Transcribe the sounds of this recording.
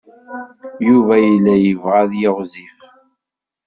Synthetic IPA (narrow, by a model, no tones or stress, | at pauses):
juvæjəlːæjəvʁaðjɪʁzif